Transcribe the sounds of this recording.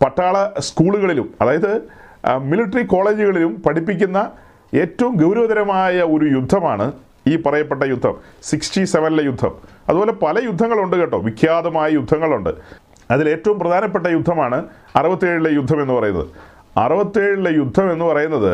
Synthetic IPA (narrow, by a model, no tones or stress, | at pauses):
pɐʈːaːɭɐskuːɭuɣɐɭilumɐðaːjɐðɨ | miliʈːriko̞ːɭe̞ːd͡ʑuɣɐɭilumpɐʈʰipːikʲːunːɐ | e̞ːtːɐʋumɡɐwɾɐʋɐðɐɾɐmaːjɐo̞ɾujud̪ʱːɐmaːɳɨ | iːpɐrɐjɐpːe̞ʈ̬ːɐjud̪ʱːɐ̰msiksʈise̞ʋɐnilejud̪ʱːɐ̰mɐðuboːle̞pɐlɐjud̪ʱːɐŋːɐɭuɳɖɨkeʈːoːʋikʰjaːd̪ɐmaːjɐjud̪ʱːɐŋːɐɭuɳɖɨ | ɐðile̞ːtːɐʋumprɐd̪ʱaːnɐp̬ːe̞ʈːɐjud̪ʱːɐmaːɳɨ | ɐrɨbɐt̪ːieːɻilejud̪ʱːɐmenːupɐrɐjunːɐ̰ðɨ̰ | ɐ̰rɨbɐt̪ːeːɻilejud̪ʱːɐme̞nːupɐrɐjunːɐðɨ